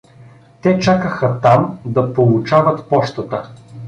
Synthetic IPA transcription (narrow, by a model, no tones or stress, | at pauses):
t̪ɛt͡ʃakəxət̪amd̪ɐpolˠʊt͡ʃavɐt̪pɔʃt̪ət̪ə